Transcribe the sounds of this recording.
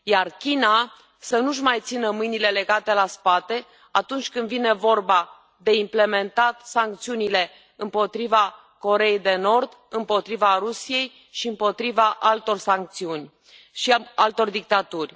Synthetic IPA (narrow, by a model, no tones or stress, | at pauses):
jarkʲina | sənuʃ̬majt̪sinəmɨjnile̞le̞ɡat̪e̞laspat̪e̞ | at̪unt͡ʃʲkɨnd̪vine̞vo̞rba | d̪e̞imple̞me̞nt̪at̪saŋk̚t̪siunile̞ | ɨmpo̞t̪ɾiva | ko̞ɾe̞jejd̪e̞no̞rd̪ | ɨmpo̞t̪ɾivaɾusije̞j | ʃiɨmpo̞t̪ɾivaʔalt̪o̞rsaŋk̚t̪siunʲ | ʃialt̪o̞rd̪ik̚t̪at̪urʲ